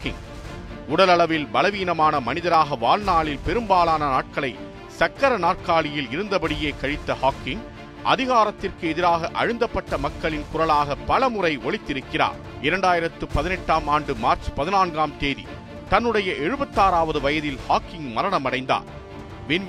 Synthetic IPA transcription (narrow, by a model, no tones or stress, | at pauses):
kɪŋ | ʊɽɐlɐɭɐʋɪlbɐlɐʋiːnɐmaːnɐmɐnɪðɐɾaːɣɐʋaːlnaːɭɪlpɛɾɯmbaːlaːnɐnaːʈ̚kɐɭɐɪ | sɐkːɐɾɐnaːʈ̚kaːɭɪjɪlɪɾɯnd̪ɐbɐɽɪjeːkɐɻɪt̪ːɐhaːkːɪŋ | ʔɐ̰ðɪɣaːɾɐt̪ːɪrkɯɛðɪɾaːɣɐʔɐ̰ɻɯnd̪ɐpːɐʈːɐmɐkːɐɭɪnkʊɾɐlaːɣɐpːɐlɐmɯrɐɪɔɭɪt̪ːɪɾɯkːɪra̰ːɾ | ɪɾɐɳɖaːjɪɾɐt̪ːɯpɐðɪnɛʈːaːmaːɳɖɯmaːɾt͡ʃpɐðɪnaːnɡaːmt̪eːðḭ | t̪ɐnːɯɽɐjɐʔɛɻɯbɐt̪ːaːɾaːʋɐðɯʋɐjɐðɪlhaːkːɪŋmɐɾɐɳɐmɐɽɐɪnd̪a̰ːɾ | ʋɪn